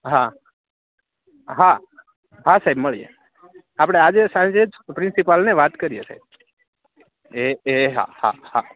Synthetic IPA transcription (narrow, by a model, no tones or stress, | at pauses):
ɦa | ɦa | ɦasajbməɭiḛ | apɽ̃ead͡ʒesãnd͡ʒed͡ʒpɾɪ̃nsipalneʋat̪kəɾijesa̰jb̚ | eeɦa̰ha̰ha